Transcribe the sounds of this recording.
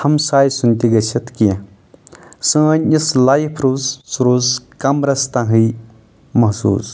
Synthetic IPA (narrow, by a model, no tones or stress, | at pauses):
hɐmsaːjsunt̪iɡɐsɐt̪kijɐ | sə̃ːnislajpʰɾuːssuɾuːskɐmɾɐst̪ãɦɨj | mɐɦsṵːs